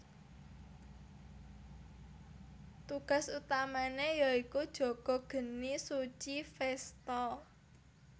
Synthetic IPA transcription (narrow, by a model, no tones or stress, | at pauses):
t̪uɡ̥a̤sut̪amanejɔikud̥ʒ̥ɔ̤ɡ̥ɔ̤ɡ̥ə̤nisut͡ʃifɛst̪ɔ